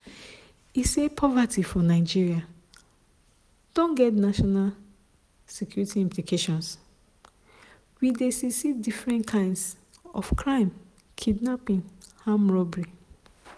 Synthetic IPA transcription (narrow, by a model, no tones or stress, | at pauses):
isepʰɔvatʰifɔnaɪd͡ʒiɹia | d̥õnɡɛtnaʃɔnal | sikʰjuɹitiĩmplikʰeʃɔ̃ns | widesisidifɹɛ̃ntkʰãɪ̃nds | ɔ̰fkʰɹãɪ̃m | kʰidnapĩnhãmɹɔbɹi